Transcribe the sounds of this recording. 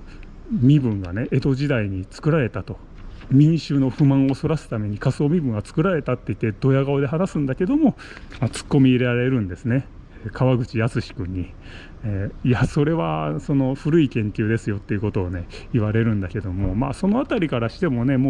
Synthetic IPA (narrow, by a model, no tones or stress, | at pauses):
mʲibɯ̟̃ŋɡane̞ʔet̪o̞ʑid̪aiɲ̟it͡sɨ̥kɯ̟ɾaɾe̞t̪at̪o̞ | mʲĩɕɨːno̞ɸɯ̟mãɰ̃o̞so̞ɾasɨ̥t̪ame̞ɲ̟ikasoːmʲibɯ̟̃ŋɡat͡sɨ̥kɯ̟ɾaɾe̞t̪at̪ːe̞it̪ːe̞d̪̥o̞jaɡaod̪e̞ɦanasɨ̃nd̪ake̞d̪o̞mo̞ | mat͡sɨ̥kːo̞mʲiːɾeɾaɾe̞ɾɯ̟̃nd̪e̞sɨne̞ | kaβaɡɯ̟t͡ɕijat͡sɨɕi̥kɯ̟ɲ̟ːi | ijaso̞ɾe̞βaso̞no̞ɸɯ̟ɾɯ̟ikẽ̞ŋkʲɨːd̪e̞sɨjo̞t̪ːe̞iɯ̟ko̞t̪o̞ːne̞iβaɾe̞ɾɯ̟̃nd̪ake̞d̪o̞mo̞ma̰ːso̞no̞at̪aɾʲikaɾaɕi̥t̪e̞mo̞ne̞mo